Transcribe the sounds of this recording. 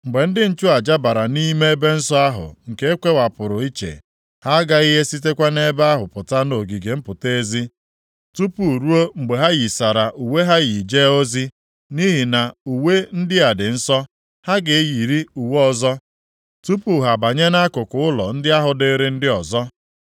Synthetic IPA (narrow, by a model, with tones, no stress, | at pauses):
ŋ͡m̩˨ɡ͡be˨n̩˦dɪ˦n̩˦t͡ʃʊ˦a˨d͡ʒa˦ba˨ɾa˨ni˦me˦e˦be˦n̩˦sɔ˦a˦ɦʊ̰˨ŋ̩˨ke˦e˦kʷe˦wa˨pʊ˨ɾʊ˨i˦t͡ʃḛ˨ | ha˦ɡa˦i˦ɦe˦si˦t̬e˦kʷa˦ne˦ba˦ɦʊ˨pʊ˨ta˦no˨ɡi˨ɡe˨m̩˦pʊ˨te˦zi˦ | tu˦pu˨ɾu˦o˦ŋ͡m̩˨ɡ͡be˨ɦa˦ɣi˨sa˨ɾa˨ʔu˨we˦ɦa˦ɣi˨d͡ʒe˦o˦zi˦ | ni˦ɦi˨na˨u˨we˦n̩˦dɪ˦a˨dɪ˨n̩˦sɔ˦ | ha˦ɡe˨e˦ji˨ɾi˦u˨wɔ˦zɔ˦ | tu˦pu˨ɦa˨ba˨ɲe˦na˦kʊ˨kʊ˨ʊ˦lɔ˨n̩˦dɪ˦a˦ɦʊ˨dɪ˦ɾɪ˦n̩˦dɪ˦ɔ˨zɔ˦